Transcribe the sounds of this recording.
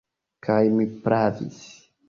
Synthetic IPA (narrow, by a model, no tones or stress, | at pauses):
kʰajmipɾavḭs